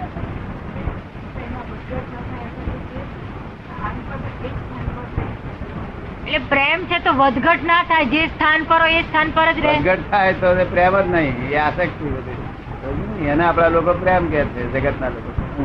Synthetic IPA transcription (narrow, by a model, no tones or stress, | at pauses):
pɛnaʋəd̪ɡʱəʈnat̪ʰajat̪əet͡ʃe | t̪ʰanpəekst̪ʰanpəɾte | eʈlepɾemt͡ʃʰet̪oʋəd̪ɡʱəʈnat̪ʰajd͡ʒest̪ʰanpəɾoest̪ʰanpəɾəd͡ʒɾeɡʱəʈ̚t̪ʰajt̪otepɾɛmət̪naɦĩeasəkt̪ʰiʋəd̪i | od͡ʒinɦiəneaplalokopɾɛmkɛɾt̪ʰed͡ʒəɡəʈnaloko